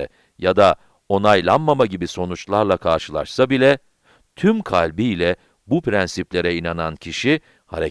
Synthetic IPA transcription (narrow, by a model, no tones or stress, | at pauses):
ɛ̰ | jad̪a | o̞najlˠanmamaɟibiso̞nut͡ʃlˠaɾlˠakʰaɾʃɯlˠa̰ʃsabilʲɛ | t̪ʰymkʰalʲbijlʲɛ | bupɾænsiplʲe̞ɾɛinanancʰiʃi | ha̰ɾe